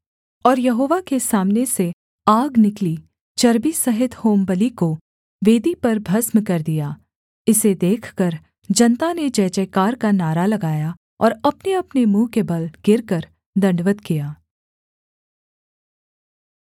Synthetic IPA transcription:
ɔːɾjɐɦoːʋakesaːmnese | aːɡnɪkli | t͡ʃɐɾbisɐɦɪt̪hoːmbəliko | ʋeːd̪ipɐɾbʱɐsmkɐɾd̪ijaː | ɪsed̪eːkʰkɐɾ | d͡ʒɐnt̪aned͡ʒɛːt͡ʃɛːkaːɾkanaːɾalɐɡaːja | ɔ̰ːɾɐpneɐpnemũːkebɐlɡ̥ɪɾkɐɾ | d̪ɐ̃ɳɖʋət̪kijaː

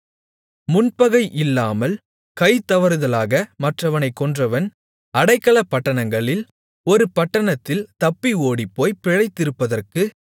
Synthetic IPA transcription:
mʊnpɐɣɐɪʔɪlːaːmɐl | kɐɪt̪ːɐʋɐɾɯðɐlaːɣɐmɐʈrɐʋɐnɐɪkːɔndrɐʋɐn | ɐɽɐɪkːɐɭɐpːɐʈːɐɳɐŋɡɐɭɪl | ɔɾɯpɐʈːɐɳɐt̪ːɪlt̪ɐpːioːɽipːoːjpɪɻɐɪt̪ːɪɾɯpːɐðɐrkɯ

